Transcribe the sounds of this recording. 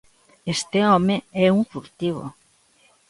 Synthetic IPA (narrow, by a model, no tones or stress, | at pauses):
est̪eɔmeɛuŋfuɾt̪iβo̰